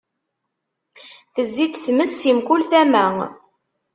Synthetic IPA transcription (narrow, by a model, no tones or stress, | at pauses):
θəzːiθθməsːimkʊlθæmæ